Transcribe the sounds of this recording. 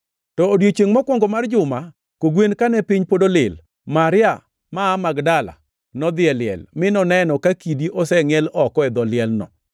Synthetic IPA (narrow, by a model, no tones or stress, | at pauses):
tɔːdjot͡ʃeŋmɔkwɔŋɡɔmard͡ʒʊma | koɡwenkanɛpɪɲpodolɪl | maɾɪa | maːmaɡdala̰ | nɔd̪ɪɛlɪɛ̰lmɪnɔnɛnɔkakidiʔɔsɛŋɛlɔkɔɛd̪ɔlɪɛlnɔ̰